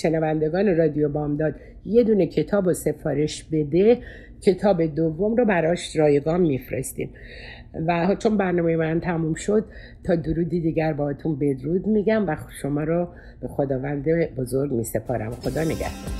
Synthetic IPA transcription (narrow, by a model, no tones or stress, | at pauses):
ʃenævænd̪eɡɒːne̞ɾɒd̪ijobɒːmd̪ɒːd̪ | je̞d̪uːne̞cʰe̞t̪ʰɒːbose̞fɒːɾe̞ʃbe̞d̪e̞ | cʰe̞t̪ʰɒːbe̞d̪ovːo̞mɾɔbæɾɒːʃrɒːjeɡɒːmːifɾḛst̪ḭːm | væɦt͡ʃʰo̞nbæɾnɒːmejemænt̪ʰæmuːmʃo̞d̪̚ | t̪ʰɒːd̪oɾuːd̪id̪iːɟæɾbɒːhɒːt̪ʰunbe̞d̪ɾuːd̪miːɟæmvæʃo̞mɒːɾɔ | b̥e̞xo̞d̪ɒːvænd̪ebo̞zoɾɡmiːse̞pʰɒːɾæ̰mxo̞d̪ɒːne̞ɡæ̰hd̪̥oɾ